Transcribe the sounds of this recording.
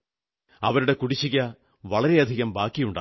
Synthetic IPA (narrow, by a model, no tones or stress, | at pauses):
ɐʋɐɾuɽe̞kuɽiɕːiɣʲɐ | ʋɐɭɐɾe̞ɐd̪ʱiɣɐmbaːkːijuɳɖaː